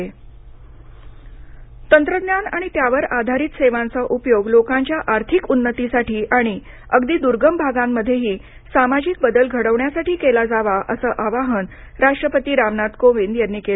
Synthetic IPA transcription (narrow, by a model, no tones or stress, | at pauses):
e | t̪ənt̪ɾəd̪njanaɽ̃it̪jaʋəɾad̪ʱaɾiːt̪seʋãnt͡səʔupjoɡlokãɲt͡ɕjaʔaɾt̪ʰikunːət̪isaʈʰiːʔaɽ̃i | əɡd̪iːd̪uɾɡəmbʱaɡamːəd̪ʱːjeɦiː | samad͡ʑik̚bəd̪əlɡʱəɽəʋɳjasaʈiːkelad͡zaʋaʔəsəːʔaʋaɦən | ɾaʂʈɾəpət̪iːɾaʋnat̪koʋind̪janːeke